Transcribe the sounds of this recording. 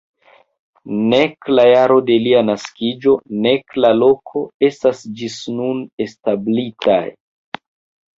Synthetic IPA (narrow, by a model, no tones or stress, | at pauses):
ne̞klajaɾo̞de̞lianaskid͡ʒo̞ne̞klalo̞kʰo̞e̞stasd͡ʒisnune̞stablita̰j